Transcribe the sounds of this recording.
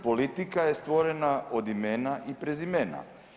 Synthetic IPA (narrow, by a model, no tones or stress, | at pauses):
polit̪ikajest̪ʋoɾenaʔod̪imenaʔipɾezimena̰